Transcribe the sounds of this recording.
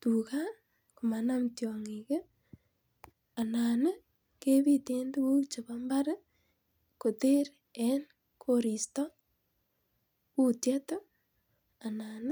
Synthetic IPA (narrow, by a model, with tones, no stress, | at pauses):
tu˨ka˦ | ku˨ma˨na˦mtjɔŋi˨ke˦ | a˨na˨nə˦ | ke˦βi˦te˦ndwu˦t͡ʃe˨ba˦mba˦ɾ | ko˨te˦ɾ | ɛ˦n | kʰoɾi˨stɔ˦ | ku˦tjɛ˦to˦ | a˨na˨n˦